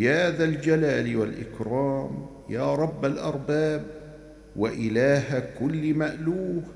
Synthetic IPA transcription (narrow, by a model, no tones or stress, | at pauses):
jaːðald͡ʒalaːlwalʔɪ̰kɾˤɑːm | jaːɾˤɑbːalʔɑɾˤbaːb | waʔɪlaːhakʊlːmaʔluːh